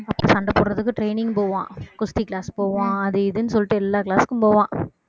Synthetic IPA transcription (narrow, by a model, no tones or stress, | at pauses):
ɐpːɐ̰ːsɐɳɖɐpːoːɽɾɐðɯkːɯʈɾeɪnɪŋɡpoːʋã̰ːkʊst̪ikɪlaːspoːʋãːɐðɯɪðɯnɯsɔlːɪʈːɯɛlːaːkɪɭaːskːɯmpoːʋãː